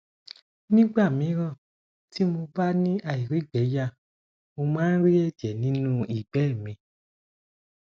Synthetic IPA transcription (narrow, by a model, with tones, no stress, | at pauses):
nĩ˦ɡ͡ba˦˨mĩ˨˦ɾ̃ɔ̃˦˨ | ti˦mo˧ba˦nĩ˦ʔa˧˨i˨ɾi˨˦ɡ͡bɛ˨˦ja˦˨ | mo˧mãː˦n̩˦ɾi˦ɛ˦˨d͡ʒɛ˨nĩ˨˦nũ˦i˦˨ɡ͡bɛ˦˨mĩ˧